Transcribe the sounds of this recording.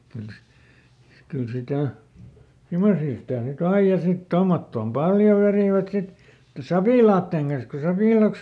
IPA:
kyl si kyl sitæˑ simosiː sitæˑ nyt ɑij jɑ sit tomːotːoːm pɑljo ʋeriˑʋæt sit sɑpiˑlɑːtːeˑŋ kɑns ku sɑpiˑlɑˑks

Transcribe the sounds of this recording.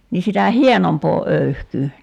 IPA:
ni sitæ hienompoː øyhkyː

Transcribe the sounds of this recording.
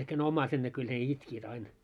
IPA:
ehk ne omˑɑiset ne kyl ne itkiːt ɑin

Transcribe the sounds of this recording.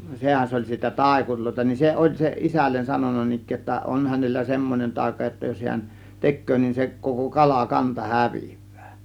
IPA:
sehæn s olʲ siːtæ tɑˑe̝kurʲloˑe̝tɑ nin se ʔolʲ se isælːen sɑnonˑɑ nin ikˑeː jotːɑ on hænelːæ semːonen tɑˑe̝kɑ jotːɑ jos hiæn tekˑøː nin se koko kɑlɑ kɑntɑ hæʋi̥ʋ̥ːæ̥ː

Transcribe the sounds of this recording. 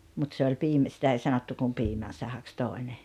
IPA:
mut se olʲ piːmæ sitæ ei sɑnotːu kum piːmæn̞ sɑhɑks toˑene

